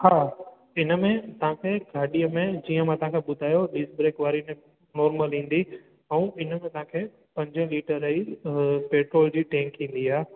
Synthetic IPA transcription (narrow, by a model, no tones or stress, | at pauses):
haː | ɪnə̆mẽt̪ɐʋ̤ãːkʰeɡʱaːɗijəmẽd͡ʑiːə̃mãt̪ɐɦãːkʰeɓʊd̪ʱaːjoɗɪsbɾeːkʋaːɾinẽ | nɔːɾməlɦĩːn̆d̪i | ɛ̃ũɪnəmẽt̪ɐɦãkʰe | pɐ̃ɲd͡ʑə̃liːʈəɾːɐɦipeːʈɾoːld͡ʑiːʈɛ̃ːŋkɦĩːn̆d̪iaː